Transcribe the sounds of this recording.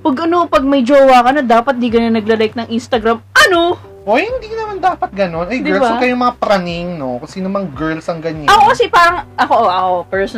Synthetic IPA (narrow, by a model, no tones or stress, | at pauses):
pɐɡʔɐnopɐɡ̚mɐjd͡ʒoːwakɐnɐd̪aːpɐt̪̚d̪iɡɐnɐnɐɡ̚lɐlajk̚nɐŋʔinst̪ɐɡɾamʔɐno | ʔojhɪnd̪iːnɐmand̪aːpɐt̪̚ɡɐno̞nʔɐjɡd̪ɪɛɹlbsaɐkɐjomɐŋapɾanɪŋno̞kosiːnomɐŋɡɛɹlsɐŋɡɐɲaɐkokɐsɛpaːɾɐŋʔɐkoʔʔɐʔopɛɹs